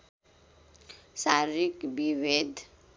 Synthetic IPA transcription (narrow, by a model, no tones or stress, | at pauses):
saɾikbiwed̪